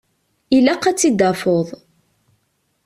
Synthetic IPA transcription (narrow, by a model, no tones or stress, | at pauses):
ilæqːæt͡sːid̪ɑfoðˤ